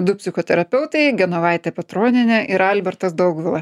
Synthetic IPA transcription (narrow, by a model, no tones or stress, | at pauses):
d̪ʊpʲsʲɪxoːt̪ʲɛɾɐpʲɛʊt̪ɐɪɡʲɛnoʋɑˑɪt̪ʲɛpʲɛt̪ɾoːnʲɪnʲɛʔɪɾɐlʲbʲɛɾt̪ɐsd̪ɐʊɡʋʲɪlˠɐ